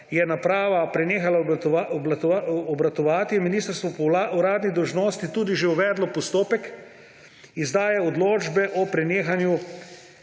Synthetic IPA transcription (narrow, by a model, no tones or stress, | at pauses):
jɛnapɾaːʋapɾɛneːxalaaɔblat̪aɔbɾat̪ɔʋaːt̪ijɛminiːst̪əɾst̪ʋɔpauɾaːd̪nid̪ɔwʒnoːst̪it̪uːd̪iʒeuʋɛːd̪lɔpɔst̪oːpɛk | izd̪aːjɛɔd̪loːd͡ʒbɛʔɔpɾɛneːxanju